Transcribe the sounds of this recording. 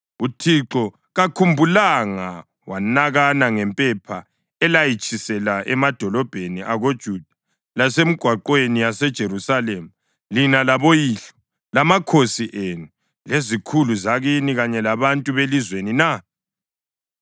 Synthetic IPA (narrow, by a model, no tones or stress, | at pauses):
utʰiǁɔ | ɣakʰumbʱulaŋa | wanaɣanaŋɛmpʼɛpʰa | ɛlajit͡ʃʼisɛlaʔɛmad̥ʱɔlɔb̥ʱeniʔaɣod̥ʒ̥ʱud̥ʱḁ | lasem̩ɡ̥ʱwaǃwenijasɛd̥ʒ̥ʱeɾusalemu | linalaβojiːɬɔ̥ | lamakʰosiʔenu | lezikʰuluzaɣiniɣaɲɛlaβantʼuβelizwenina